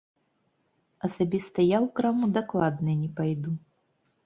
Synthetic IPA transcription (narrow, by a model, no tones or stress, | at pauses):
ɐsabʲist̪ɐjawkɾamud̪aklˠad̪nɨnʲɛpajd̪u